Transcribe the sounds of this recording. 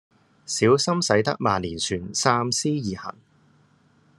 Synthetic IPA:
siː˨˥wsɐ˥msɐ˨˥jt̪ɐ̰˥k̚maː˨nliː˨˩nsyː˨˩nsaː˥msiː˥jiː˨˩hɐ̰˨˩n

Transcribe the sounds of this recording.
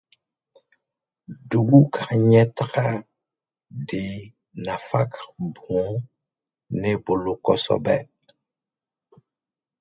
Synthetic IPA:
du˨ɡu˦kʰa˨ɲɛ˦tka˦ | di˨ | na˨fa˦kbɔ̃˨˦ | ne˦bo˨lo˨kɔ̰˦sɔ̰˦bɛ˦

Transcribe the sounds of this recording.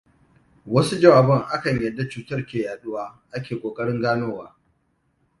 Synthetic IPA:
wɐ˦su˦d͡ʒɐ˦waː˨bɔ˦ŋʔa˦kɐ˨ɲjɐ˨dːa˨t͡ʃuː˨tɐ˦rkʲeː˨jaː˨ɗʊ˦waː˦ʔa˦kʲeː˨kʷʼoː˨kʼɐ˦ɽɪ˦ŋɡaː˦noː˦waː˦

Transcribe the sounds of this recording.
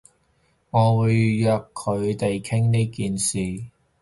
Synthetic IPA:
ŋɔː˨˧wuː˨˧jjœː˨˧kkʰːɵ˨˧ɥt̪e˨jkʰɪ˥ŋne˥kiː˨nsiː˨˩

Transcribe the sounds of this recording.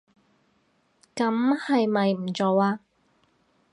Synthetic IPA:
kɐ˨˥mhɐ˨jmɐ˨jm̩˨˩t͡so˨˧waː˧

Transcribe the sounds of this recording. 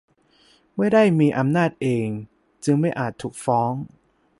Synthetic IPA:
ma˥˩jda˥˩jmiː˧ʔa˧mnaː˥˩t̪̚ʔeː˧ŋ | t͡ɕɯ˧ŋma˥˩jʔaː˨˩t̪ʰːuː˨˩k̚fɔː˦˥ŋ

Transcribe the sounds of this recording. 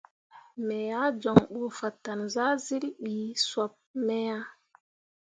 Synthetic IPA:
mɛ˨ja˦d͡ʒɔ˨ŋɓu˨fa˨tːa˨nza˦zi˦lɓi˨swa˨p̚mɛ˦ja˦

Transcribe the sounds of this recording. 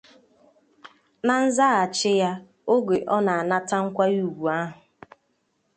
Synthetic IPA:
na˨n̩˦za˦a˨t͡ʃɪ˦ja˦ | o˦ɡe˨ʔɔ˦na˨a˨na˦ta˦ŋ̩˦kʷa˦ju˦˨ɡʷu˨a˦ɦʊ˨

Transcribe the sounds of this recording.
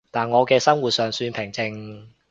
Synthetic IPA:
t̪aː˨˩nŋɔː˨˧kɛː˧sɐ˥mwuː˨˩t̚sœː˨ŋsyː˧npʰɪ˨˩ŋt͡sɪ˧ŋ

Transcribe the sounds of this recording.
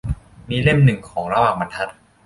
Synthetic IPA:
miː˧le˥˩mnɯ˨˩ŋkʰɔː˩˦ŋɾa˧waː˨˩ŋba˧nt̪ʰa˦˥t̪̚

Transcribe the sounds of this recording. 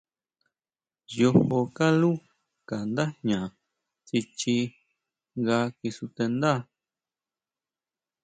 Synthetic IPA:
jo˧ho˧ka˦lu˦ | ka˨nd̪a˦ɲã˨ | t͡ʃi˧t͡ʃi˧ | ŋɡa˧ki˧su˧t̪e˧nd̪a˦˧

